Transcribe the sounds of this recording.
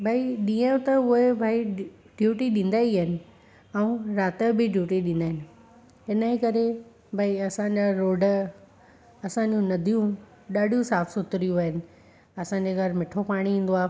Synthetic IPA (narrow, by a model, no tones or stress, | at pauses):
bʱaːiɗĩːə̃jʊ̃t̪ɐʊɦebʱaːi | ɖjuːʈiɗĩːnd̪aːiəɦɪnɪ̆ | ɛũɾaːt̪əbʱɪɖjuːʈiɗĩːnd̪aːɦɪnɪ̆ | ɦɪnəekɐɾe | bʱaːiɐsãɲd͡ʑaɾoːɖə | ɐsãɲd͡ʑũnɐd̪ʱijũ | ɗaːɖʱijũsaːfʰsʊt̪ɾijũʋɦɪnɪ̆ | ɐsãɲd͡ʑeɡɐɾmɪʈʰopaːɽ̃iĩːn̆d̪oaː